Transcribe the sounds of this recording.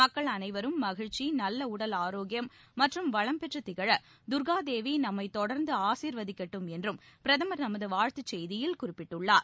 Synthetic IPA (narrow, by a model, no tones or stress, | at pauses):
mɐkːɐɭɐnɐɪʋɐɾɯmːɐɣɪɻt͡ʃːinɐlːɐʊɽɐlaːɾoːɡɪjɐmː | ɐʈrɯmʋɐɻɐmpɛʈrɯt̪ːɪɣɐɻɐ | d̪ʊɾɣaːd̪eːʋinɐmːɐɪt̪ɔɽɐɾnd̪ɯaːsiːɾʋɐðɪkːɐʈːɯmɛndrɯmpɪɾɐðɐmɐɾnɐmɐðɯʋaːɻt̪ɯt͡ʃːɛjðɪjɪlkʊrɪpːɪʈːɯɭːaːɾ